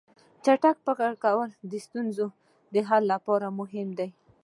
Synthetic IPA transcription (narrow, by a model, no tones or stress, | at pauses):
t͡ʃaʈak̚pəɣaɽkawəld̪əst̪unzo | d̪əɦalːapɑɾamʊɦɪmd̪aj